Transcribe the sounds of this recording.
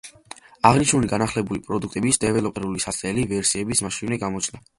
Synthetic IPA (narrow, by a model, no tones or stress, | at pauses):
aʁniʃnuliɡanaχlɛbulipʼɾɔd̪ukʰt̪ʼɛbisd̪ɛvɛlɔpʼɛɾulisat̪sʼɛlivɛɾsiɛbismaʃivnɛɡamɔt͡ʃʰna